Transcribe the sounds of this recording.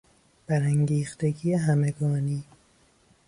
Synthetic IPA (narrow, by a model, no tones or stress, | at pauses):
b̥æɾæŋɟiːxt̪eɡiːjeɦæmeɡɒːniː